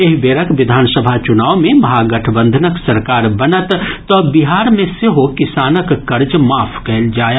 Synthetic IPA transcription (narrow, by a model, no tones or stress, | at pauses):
eɦbeːɾəkʋɪd̪ʱaːnsəbʱat͡ʃʊnaːʋmẽmɐɦaɡɐʈʰəbə̃nd̪ʱənəksɐɾkaːɾbɐnət̪t̪ɔbiɦaːɾmẽseɦokɪsaːnəkːɐɾd͡ʒmaːpʰkɐɦld͡ʒaːj